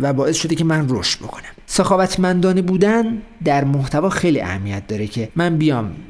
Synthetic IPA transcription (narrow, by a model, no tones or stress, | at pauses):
væbɒːe̞sʃo̞d̪ecʰe̞mænro̞ʃt̪̚bo̞kʰo̞næmsexɒːvæt̪ʰmænd̪ɒːnebuːd̪ænd̪æɾmoht̪ʰævɒːxejlḭːʔæ̰hæmijæt̪̚ʰd̪ɒːɾecʰe̞mænbijɒːm